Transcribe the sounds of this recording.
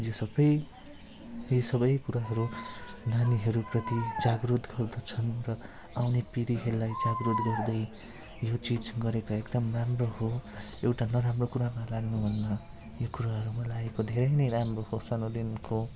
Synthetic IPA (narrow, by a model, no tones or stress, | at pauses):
josʌbʌj | isʌbʌjkuɾaɦʌɾunaniɦʌɾuprʌt̪id͡zaɡrud̪ɡʌrd̪ʌt͡sʰʌnrʌ | awnepiɾiɦeɾulajd͡zaɡrɾud̪ɡʌrd̪ʌj | jot͡sid͡zɡʌɾekaekd̪ʌmramroɦoewʈanʌɾamrokuɾamalaɡnubʱʌnːʌ | jokuɾaɦʌɾumʌlaekod̪ʱeɾʌjnʌjɾamrohosanod̪inko